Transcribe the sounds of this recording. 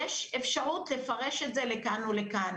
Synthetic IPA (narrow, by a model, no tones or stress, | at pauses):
eʃefʃaʁutle̞faʁe̞ʃetzelekanulekan